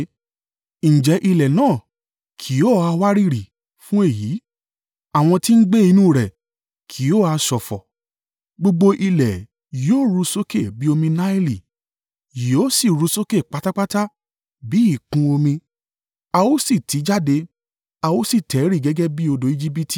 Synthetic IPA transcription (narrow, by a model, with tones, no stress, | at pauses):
ñ̩˨d͡ʒɛ˨˧˦ʔi˧lɛ˨nãː˦˨ | kʰi˨˦o˦˨a˧wa˦ɾi˦˨ɾi˨ | fũ˦e˦˨ji˨˦ | a˨w̃ɔ̃˧ti˦n̩˦ɡ͡be˦i˧nũː˦˨ɾɛ˨ | kʰi˨˦o˦a˧ʃɔ˨fɔ˨ | ɡ͡bo˧ɡ͡bo˧ʔi˧lɛ˨ | joː˦˨˦ɾu˨˧so˦ke˦˨bi˦o˧mĩ˧nã˦i˦li˨ | ji˨o˦si˦˨ɾu˨˧˦so˦ke˦˨k͡pa˨˦ta˦k͡pa˦ta˦ | bi˨˦i˦˨kũ˧o˧mĩ˧ | a˧o˦si˦˨tʰi˨˦d͡ʒa˦de˧ | a˧o˦si˦˨tɛ˨˦ɾi˦˨ɡɛ˨˦ɡɛ˦bi˦o˧do˨˦i˧d͡ʒi˦p̬i˦ti̥˨